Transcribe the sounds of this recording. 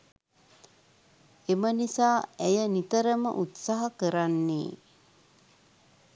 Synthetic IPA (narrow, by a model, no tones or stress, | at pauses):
emənisaːæjənit̪əɾəmə̰ʔut̪saɦakəɾanːḛː